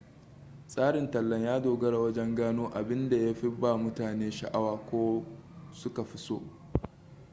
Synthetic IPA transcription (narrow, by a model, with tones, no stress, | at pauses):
sʼaː˦ɽɪ˨ntɐ˨lːɐ˦ɲjaː˦doː˨ɡɐ˦ɽa˨wɐ˦d͡ʒɛ˦ŋɡaː˦noː˦ʔa˨bɪ˦nda˨ja˦ɸi˦baː˦˨mʊ˦taː˨neː˦ʃɐ˨ʔa˦waː˨kʷoː˦sʊ˦ka˨ɸɪ˦so̰ː˦